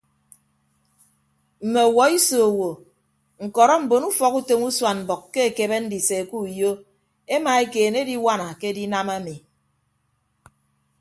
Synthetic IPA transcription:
m̩˨me˨wɔ˨i˦so˨wo˨ | ŋ̩˨kɔ˨ɾɔ˦m̩˨bo˨nu˦fɔ˦ku˦to˨ŋu˦swa˨nm̩˨bɔ˨kke˦e˨ke˨be˦n̩˦di˨se˨ku˦˨jo˦ | e˦ma˨e˦keː˨ne˦di˦wa˦na˨ke˦di˦na˦ma˦mi˨

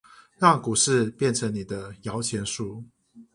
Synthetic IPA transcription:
ɻɑ˥˨ŋku˨˩ʂɻ̩˥˧pjɛ˥˨nʈ͡ʂʰə˧˥ŋni˨˩d̪ə˦jɑ˨˦ʊt͡ɕʰjɛ˧˥nʂu˥˩

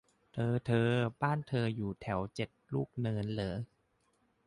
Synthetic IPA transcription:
t̪ʰɤː˧t̪ʰɤː˧baː˥˩nt̪ʰɤː˧juː˨˩t̪ʰɛ˩˦wt͡ɕe˨˩t̪̚luː˥˩k̚nɤː˧nlɤː˩˦

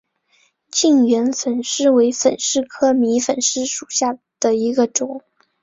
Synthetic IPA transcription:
t͡ɕi˥˩ŋɥɛ˧˥nfə˨˩nʂɻ̩˥˩we˧˥ɪfə̰˨˩nʂɻ̩˥˩kʰɤ˥mi˧˥fə˨˩nʂɻ̩˥˩ʂu˨˩ɕja˥˩ | d̪̥ə˩i˧˥ɡə˧ʈ͡ʂʊ˨˩˦

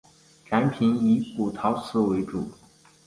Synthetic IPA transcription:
ʈ͡ʂa˧˥npʰi˧˥ni˧˥pu˨˩t̪ʰɑ˧˥ʊt͡sʰɹ̩˧˥we˧˥ɪʈ͡ʂu˨˩˦

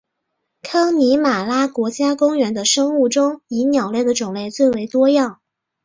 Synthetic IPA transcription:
kʰɑ˥ŋni˧˥ma˨˩la˥kwɔ˧˥t͡ɕja˥kʊ˥ŋɥɛ˧˥nd̪ə˧ʂɤ˥ŋu˥˩ʈ͡ʂʊ˥ŋi˧˥njɑ˨˩ʊle˥˩ɪd̪ə˩ʈ͡ʂʊ˨˩ŋle˥˧ɪt͡swe˥˩ɪwe˧˥ɪt̪wɔ˥jɑ˥˩ŋ

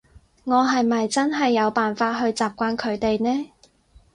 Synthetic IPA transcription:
ŋɔː˨˧ɦɐ˨jmɐ˨jt͡sɐ˥nɦɐ˨jːɐ˨˧wpaː˨nfaː˧t̚ɦɵ˧ɥt͡saː˨p̚kʷaː˧nkʰɵ˨˧ɥt̪e˨jnɛː˥

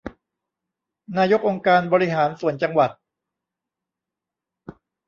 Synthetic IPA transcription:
naː˧jo˦˥k̚ʔo˧ŋkaː˧nbɔː˧ɾi˦˥ɦaː˩˦nsu˨˩ənt͡ɕa˧ŋwa˨˩t̪̚

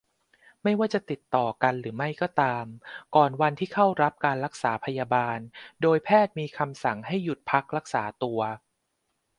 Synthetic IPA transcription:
ma˥˩jwaː˥˩t͡ɕa˨˩t̪i˨˩t̪ːɔː˨˩ka˧nɾɯː˩˦ma˥˩jkɔː˥˩t̪aː˧mkɔː˨˩nwa˧nt̪ʰiː˥˩kʰa˥˩wɾa˦˥p̚kaː˧nɾa˦˥k̚saː˩˦pʰa˧jaː˧baː˧ndoː˧jpʰɛː˥˩t̪̚miː˧kʰa˧msa˩˦ŋɦa˥˩jːu˨˩t̪̚pʰa˦˥k̚ɾa˦˥k̚saː˩˦t̪u˧ɐ

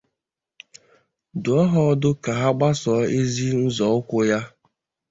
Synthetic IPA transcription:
dʊ˨ɔ˦ɦɔ˦dʊ˦ka˨ɦa˦ɡ͡ba˦sɔ˨˦e˦zi˦n̩˦zɔ˨˦ʊ˦kʷʊ˦ja˦

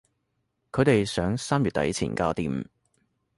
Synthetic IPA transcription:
kʰɵ˨˧t̪e˨jsœː˨˥ŋsaː˥mjyː˨t̪̚ɐ̰˨˥jt͡sʰḭː˨˩nkaː˧wt̪iː˧˩m̩˨

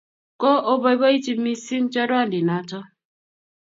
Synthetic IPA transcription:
kɔ˦ʔo˦bɔ˦jbɔ˦i˦t͡ʃi˦mi˦si˦n̩˦t͡ʃɔ˦dwa˦˨ndi˨na˨tɔ˦

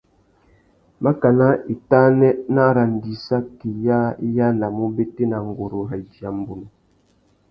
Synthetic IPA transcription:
ma˦ka˨na˦i˨ta˦nɛ˦na˦ɾa˨n˨di˨sa˦ki˨ja˦ja˦na˨mu˦be˦te˦na˨ŋ˨ɡo˨ɾo˨ɦa˨d͡ʒi˨a˨m˨bu˨nu˨

